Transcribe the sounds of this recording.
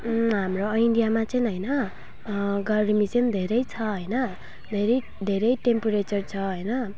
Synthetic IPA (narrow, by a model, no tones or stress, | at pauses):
ɦamroʌiɳɖijamat͡sʌj̃ɦʌjnʌ | ɡʌrimisʌnd̪ʱeɾʌjt͡sʰʌɦʌjnʌ | d̪ʱeɾʌj | d̪ʱeɾʌjʈempuɾet͡sʌrt͡sʰʌɦʌjnʌ